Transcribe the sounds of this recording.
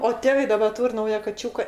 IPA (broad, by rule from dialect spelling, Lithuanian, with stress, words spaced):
oː ˈtʲeːʋɐɪ dɐˈbɐ ˈtuːrʲ ˈnɐʊjɛ kɐˈt͡ʃʲuːkɐ